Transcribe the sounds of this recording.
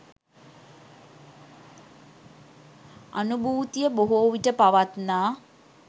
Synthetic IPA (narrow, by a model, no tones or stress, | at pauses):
a̰nubʱuːt̪ijəboɦoːʋiʈəpaʋat̪naː